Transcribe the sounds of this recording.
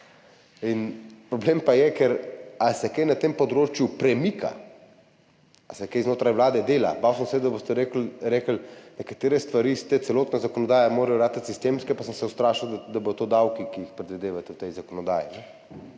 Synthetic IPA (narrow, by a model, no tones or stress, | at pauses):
inpɾɔbleːmpajɛkɛɾasɛkejnat̪empɔd̪ɾoːt͡ʃjupɾɛmikʰa̰ | asɛkejznoːt̪ɾajʋlaːd̪ɛd̪eːla̰baːwsəmsɛɛd̪aboːst̪ɛɾeːkəlɾeːkəlnɛkat̪eːɾɛst̪ʋaɾist̪ɛt̪sɛloːt̪nazakɔnɔd̪aːjamoːɾɛjɔɾaːt̪t̪sist̪eːmskɛpasəmsɛwst̪ɾaːʃiwd̪d̪abod̪ɔt̪od̪awkikiixpɾɛd̪ʋid̪eːʋat̪ɛwt̪ɛjzakɔnɔd̪a̰ːjinɛ